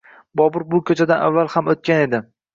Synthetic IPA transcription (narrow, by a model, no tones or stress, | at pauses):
bɒbʊɾbʊkʲʰɵt͡ʃʰad̪anʔa̰vːalˠhamot̪̚kʲane̞d̪ɪ